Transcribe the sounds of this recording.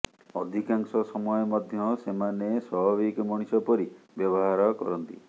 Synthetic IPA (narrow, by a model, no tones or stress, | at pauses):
ɔd̪ʱikaŋsɔsɔmɔjɔmɔd̪ʱjɔsemaneswabʱaβikɔmɔɽ̃isɔpɔɾibjɔbɔɦaɾɔkɔ̰ɾɔnt̪ḭ